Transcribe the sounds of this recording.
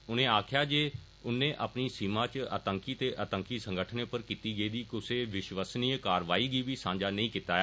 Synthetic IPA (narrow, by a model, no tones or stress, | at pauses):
ʊnẽːaːkʰjaːd͡ʒeː | ʊnẽːʔaːpniːsiːmãːt͡ʃə̰t̪əŋkiːt̪eːʔət̪əŋkiːsəŋɡəʈʰnẽːpəɾkiːt̪iːɡəiːd̪iːkʊseːʋɪʃʋəsniːkaːɾʋaːiːɡiːʋiːsãːɲd͡ʒaːnəĩːkiːt̪aːɛ